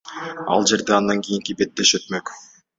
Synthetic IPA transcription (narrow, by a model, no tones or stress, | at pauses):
ɑ̰lˠd͡ʒe̞ɾd̪eɑnd̪ɑŋkijiŋkibe̞t̪ːe̞ʃøt̪mø̞k